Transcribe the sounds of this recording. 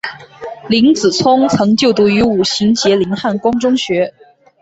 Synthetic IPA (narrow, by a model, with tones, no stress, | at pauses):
li˧˥ŋt͡sɹ̩˨˩t͡sʰʊ˥ŋt͡sʰɤ˧˥ŋt͡ɕjo˥˩ʊt̪u˧˥y˧˥u˨˩ɕi˧˥ŋt͡ɕjɛ˧˥li˧˥nxa˥˩nkwɑ˥ŋʈ͡ʂʊ˥ŋɕɥɛ˧˥